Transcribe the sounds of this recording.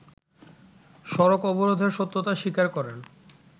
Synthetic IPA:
ʃɔɾokɔboɾod̪ʱeɾʃot̪ːot̪aʃikaɾkɔɾen

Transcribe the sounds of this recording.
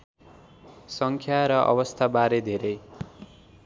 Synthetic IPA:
sʌŋkʰjaɾʌʔʌ̰bʌst̪ʰabaɾed̪ʱeɾʌj

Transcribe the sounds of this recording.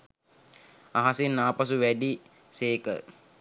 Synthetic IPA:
aɦasenːaːpas̬uʋæɖi | seːkə̰

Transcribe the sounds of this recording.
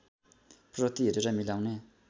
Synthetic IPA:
prʌt̪iɦeɾuɾʌmilawne

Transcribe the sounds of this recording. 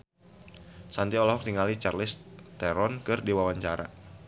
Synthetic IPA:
sant̪iɔlɔɦɔk̚t̪iŋalit͡ʃarlɪst̪ɛɾɔnkɨrdiwawaɲt͡ʃaɾa̰

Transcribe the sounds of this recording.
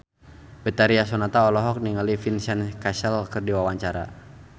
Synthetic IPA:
bɛt̪aɾiasɔnat̪aɔlɔɦɔk̚niŋalifinsɛnkasɛlkərdiwawaɲt͡ʃaɾa̰

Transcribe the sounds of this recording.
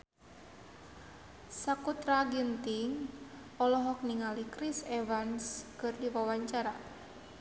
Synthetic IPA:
sakut̪ɾaɡint̪iŋ | ɔlɔɦɔk̚niŋalikɾisɛvanskɨrdiwawaɲt͡ʃaɾa

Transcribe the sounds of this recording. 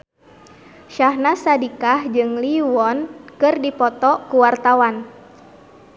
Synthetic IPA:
ʃahnasadikahd͡ʒɨŋliwɔnkɨrdipɔt̪ɔkuwart̪awan

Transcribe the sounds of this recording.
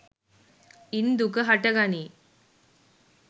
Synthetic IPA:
ind̪ukəɦɐʈɐɡani

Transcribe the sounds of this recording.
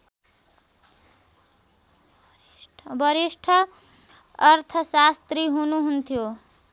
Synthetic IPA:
bʌɾisʈʰʌː | rt̪ʰʌsast̪riɦunuɦunt̪ʰjo

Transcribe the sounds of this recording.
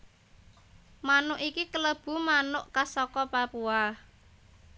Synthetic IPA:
manʊʔikikələb̥ṳmanʊʔkasɔkɔpapua

